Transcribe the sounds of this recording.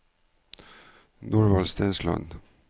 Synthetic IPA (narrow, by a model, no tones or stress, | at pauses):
nuːɹʋɑlst̪ɛnslɑ̰n